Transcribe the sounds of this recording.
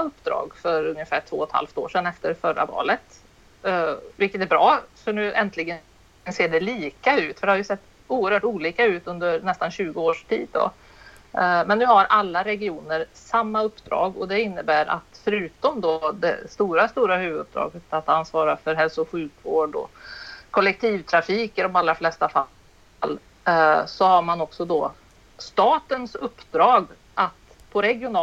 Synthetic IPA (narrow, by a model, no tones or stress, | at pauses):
aɵpːd̪ɾɑ̰ːɡfœɾɵŋjəfæːʈʰv̥o̰ːɔt̪ha̰lft̪o̰ːʂɛnɛft̪əɾfœɾa̰vɑ̰ːlət̪ | vɪlkːət̪æɾbɾɑːsɔnʉ̟ːɛnt̪lɪɡə | nseːɖɛliːkaʉ̟ːt̪fœɖɛhaɾjɵsɛt̪ː | uːəɾhœːʈuːliːkaʉ̟ːt̪ɵnd̪əɾnɛst̪anɕʉ̟ːɡəoːʂʈʰḭːd̪̚ːɔ̰ | mɛnːʉːhaɾʔalːaɾɛɡɪuːnəɾsamːaɵpːd̪ɾɑ̰ːɡɔd̪ɛɪnːəbæːɾʔa̰t̪fœɾʉ̟ːt̪ɔmd̪ɔd̪ɛ̰st̪uːɾast̪uːɾahʉ̟ːvəd̪ɵp̚d̪ɾɑ̰ːɡət̪at̪ansvɑːɾafœɾɦɛlsʊɧʉ̟ːkvoːɖɔ̰kʰɔlːɛk̚t̪ʰiːvt̪ʰɾafiːkəɾɔmalːɾaflɛst̪afa | lː | sɔhaɾmanɔksɔd̪ɔ | st̪ɑːt̪ənsɵpːd̪ɾɑːɡ | ʔat̪ | pʰɔɾɛɡɪʊnː